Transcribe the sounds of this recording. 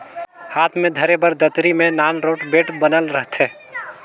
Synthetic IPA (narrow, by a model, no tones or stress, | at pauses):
haːt̪ʰmẽd̪ʱəɾebəɾd̪ət̪ɾimẽnaːnɾoːʈbeːʈbənəlɾəɦt̪ʰe